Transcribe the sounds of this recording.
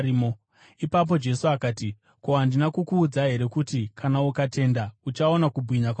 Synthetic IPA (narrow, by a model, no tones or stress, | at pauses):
mo | ipap̬o̞d͡ʒe̞suakaːti | koɦandinakukuːd͡zaɦe̞ɾe̞kutikʰanaukate̞ːndaut͡ʃao̞nakubʱwiɲak